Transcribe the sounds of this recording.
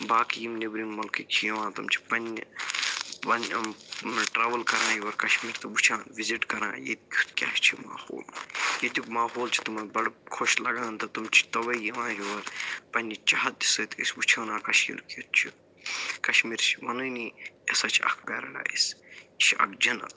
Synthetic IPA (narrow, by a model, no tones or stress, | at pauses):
baːkijimnebɾimmɐlkikt͡ʃʰjɐʋãːt̪ɐmt͡ʃʰi̥pɐnʲ | ʋɐn | ʈɾaːʋɐlkɐɾãːjuʋɐɾkɐʃmiːɾt̪ɐbut͡ʃʰaːnʋiziʈkɐɾã̰ːjḛt̪̚kʲut̪kʲa̰ːʃt͡ʃʰima̰ːho̰ːlajet̪ukmaːɦoːlt͡ʃʰi̥t̪umɐnbɐɽkʰoʃlɐɡãːnt̪ɐt̪umt͡ʃʰi̥t̪ɐʋɐijɐʋãːjuʋɐɾpɐnʲːt͡ʃaɦɐt̪̚d̪isɨːt̪ʰisʲbut͡ʃʰaːnãːkɐʃjḭɾkut̪̚t͡ʃʰi | kɐʃmiːɾt͡ʃʰi̥ʋɐnɨːniesat͡ʃʰiɐ̰kʰbɐːɾɐ̰la̰ːḭst͡ʃʰɐ̰kd͡ʒɐnɐ̰t̪